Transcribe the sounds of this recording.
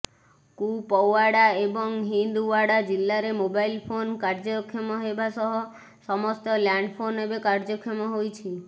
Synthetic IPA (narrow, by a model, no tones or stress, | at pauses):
kupɔwaɽaebɔŋɦind̪uaɽad͡ʒilːaɾemobajlpʰonkaɾd͡ʒɔkʰːemɔɦebasɔɦɔ | sɔmɔst̪ɔlaɳɖpʰonebekaɾd͡ʒɔkʰːemɔɦojt͡ʃʰi